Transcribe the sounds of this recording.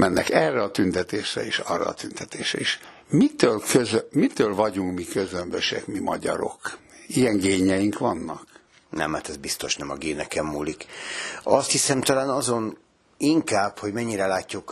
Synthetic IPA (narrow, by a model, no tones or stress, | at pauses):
mɛnːɛkɛrːɛɒt̪ynt̪ɛt̪eːʃrɛ̰eːʃɒ̰rːɒ̰ːt̪ynt̪ɛt̪eːʃɾɛ̰iʃ | mit̪øːlkøzømit̪øːlvɒɟuŋkmikøzømbøʃɛkmimɒɟɒɾo̞kijɛŋɡeːɲɛjiŋkʋɒnːɒk | nɛ̰mːaːt̪ɛzbist̪o̞ʃnɛmɒɡeːnɛkɛmːuːlik | ɒst̪hisɛmt̪ɒlaːnɒzo̞n | iŋkaːbho̞ɟmɛɲːiɾɛlaːcːuk